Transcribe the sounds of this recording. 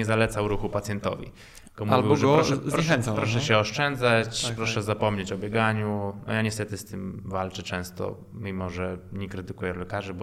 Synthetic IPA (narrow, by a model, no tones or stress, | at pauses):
ɛzalɛt̪sawɾuxupat̪sjɛnt̪ɔ̰vʲḭ | ɡɔmuvlʲviwbɔʐɛɔzpɾɲɛxɛ̃nt̪sãpɾɔʂɛɕɛɔʂt͡ʂɛnd̪zat͡ɕpɾɔʂɛzapɔmɲet͡ɕɔbʲjɛɡaɲunɔ̰jaɲɛst̪ɛt̪ɘst̪ɘmvalt͡ʂɛt͡ʂɛ̃w̃st̪ɔ̰ | mʲimɔʐɛɲɛkɾɘt̪ɘkujɛlɛkaʐɛbɔ